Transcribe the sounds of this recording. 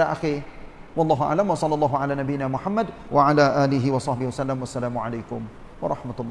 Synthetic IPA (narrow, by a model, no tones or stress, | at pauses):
aːʔaxi | wɑlˤːɑːɦʊʔa̰ʕlamwɑsˤɑlːɑlˤːɑːɦʊʕalaːnabijːɪnaːmʊħamːad̪ | waʕalaːʔaːlɪɦɪwɑsˤɑħbɪhwasalːamwasːalaːmʊʕalajkʊm | wɑ̰ɾˤɑħmat̪ʊlˤː